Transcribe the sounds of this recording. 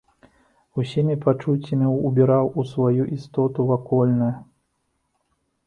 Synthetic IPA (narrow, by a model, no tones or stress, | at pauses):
usʲimʲipat͡ʂut͡sʲːɐmʲiubʲɛɾawʔusvajuʔist̪ɔt̪uvakɔlʲnɐjɐ